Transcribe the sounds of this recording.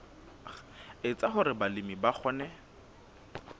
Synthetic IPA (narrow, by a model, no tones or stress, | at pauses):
ɪt͡sʼaɦʊɾɪbalɪmibak͡xʰɔːnɛ